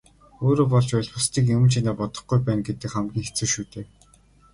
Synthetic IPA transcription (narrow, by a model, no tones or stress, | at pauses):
oːɾoːpɔɮt͡ɕpæɮχʊst̪iːk̬jɵ̆t͡ɕʰinaːpɔt̪ɞ̥̆χɡujpæːnɡet̪ɘ̆kχæmɡʲiːŋxe̥t͡sɘ̆wʃuːt̪eː